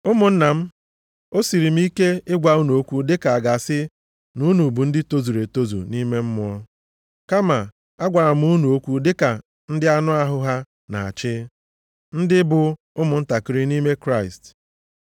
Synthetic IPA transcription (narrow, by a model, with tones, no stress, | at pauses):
ʊ˦mʊ˨n̩˦na˨m̩˦ | o˦si˨ɾi˨m̩˦i˦ke˦ɪ˦ɡʷa˨u˦nu˨o˦kʷu˦dɪ˦ka˨a˨ɡa˨sɪ˦ | nu˦nu˨bu˨n̩˦dɪ˦to˦zu˨ɾe˨to˦zṵ˨ni˦me˦m̩˦m˦ɔ˦ | ka˦ma˨ | a˦ɡʷa˨ɾa˨m̩˦u˦nu˨o˦kʷu˦dɪ˦ka˨ | n̩˦dɪ˦a˦nʊ˦a˦ɦʊ˦ɦa˦ | na̰˨a̰˨t͡ʃɪ˦ | n̩˦dɪ˦bʊ˨ | ʊ˦mʊ˨n̩˦ta˨kɪ˦ɾɪ˦ni˦me˦kɾa˦˨i˨st